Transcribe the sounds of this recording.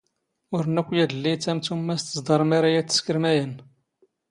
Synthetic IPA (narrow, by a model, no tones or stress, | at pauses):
ʊɾnækʷːjæd̪əlːit͡sːæmt͡sumːæst̪əzd̪ˤɑɾˤmæɾajæt͡sːə̥skəɾmæjən